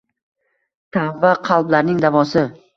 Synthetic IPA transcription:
t̪ʰavːaqʰɑlˠblaɾnɪŋd̪avɒsɪ

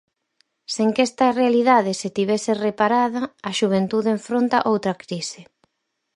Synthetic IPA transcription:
seŋkɛst̪ɐrealiðað̞ɪset̪iβɛserepaɾaðɐːʃuβ̞ent̪uðeɱfɾont̪a̰ʔowt̪ɾɐkɾisɪ

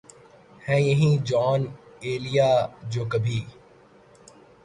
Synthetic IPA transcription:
hɛ̃ːjəɦĩd͡ʒɔːneːlijaːd͡ʒoːkɐbʱiː

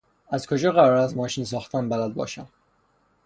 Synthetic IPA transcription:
æzkʰo̞d͡ʒɒːɣæɾɒːɾæst̪mɒːʃiːns̬ɒːxt̪ʰæmbælæd̪̚bɒ̰ːʃæm

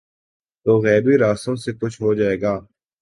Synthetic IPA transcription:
t̪oːɣɛːbiɾaːst̪õːsekʊt͡ʃʰɦod͡ʒaːeːɡaː

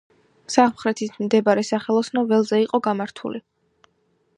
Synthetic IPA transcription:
saʁmχɾɛt̪ʰismd̪ɛbaɾɛsaχɛlˠɔsnɔvɛlˠzɛiqʼɔɡamaɾt̪ʰṵli

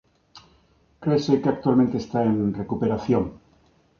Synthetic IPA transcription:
kɾeːsekeak̚t̪ualmẽnt̪est̪ae̞nre̞kupeɾaθjoŋ

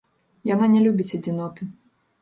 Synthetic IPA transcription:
jananʲɛlʲubʲit͡sʲɐd͡zʲinɔt̪ɨ

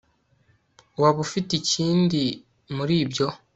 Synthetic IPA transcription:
waβufiticiːndi | muɾiːbɟo̞

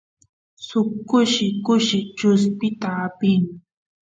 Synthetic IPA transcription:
sʊkːʊʃɪkʊʃɪt͡ʃʊspɪt̪aːpɪŋ

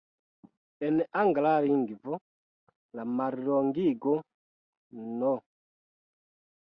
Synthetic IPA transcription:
ɛnɛʔaŋɡalaɾiŋɡivɔ | lamaɾiɾɔŋɡiɡɔ | nɔ

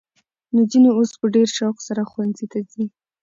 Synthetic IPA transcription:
nod͡ʒineospəɖeɾʃɑwqsaɾaxwanzit̪azi

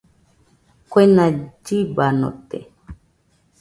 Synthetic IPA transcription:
kwenãd͡ʒibano̰t̪ḛ

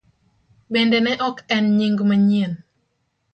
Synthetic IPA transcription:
bendenɛʔɔkɛnɲiŋɡmaɲiən

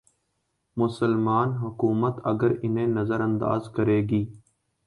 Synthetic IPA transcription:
mʊsəlmaːnɦʊkuːmət̪əɡəɾɪnẽːnəzəɾə̃nd̪a̰ːzkəɾeːɡiː

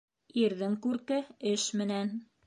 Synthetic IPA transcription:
iɾðɘŋkʉɾkɘɘʃmɘ̆næn

